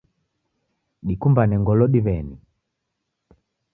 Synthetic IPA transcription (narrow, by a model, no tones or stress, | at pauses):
ɗikumbanɛŋɡɔlɔɗiβɛni